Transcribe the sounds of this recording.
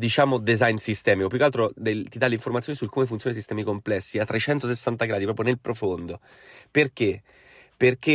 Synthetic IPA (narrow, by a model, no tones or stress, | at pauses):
d̪it͡ʃaːmod̪ezajnsist̪ɛːmikopjukːalt̪ɾod̪et̪id̪aleiɱformat̪sjonisulkːomef̬unt̪jonesist̪ɛːmikomplɛsːiat̪ːɾet͡ʃɛnt̪os̬esːant̪aɡɾaːd̪ipɾɔːpɾjonelpɾofond̪o | perk̟e | perk̟e